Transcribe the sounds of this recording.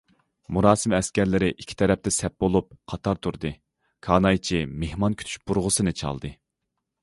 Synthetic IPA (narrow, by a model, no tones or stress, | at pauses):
muɾɑːsɨmɛskʲɛɾlɪɾɪʔikʲʰːi̥t̪ʰɛɾɛp̚t̪ʰɛsɛp̚bolˠup̚qʰɑt̪ʰɑɾt̪ʰuɾd̪ɨ | kʰɑːnɑjt͡ʃʰimehmɑnkʲʰy̥t̪ʰy̥ʃb̥uɾʁʊsɨnɨt͡ʃʰɑ̰lˠd̪ɨ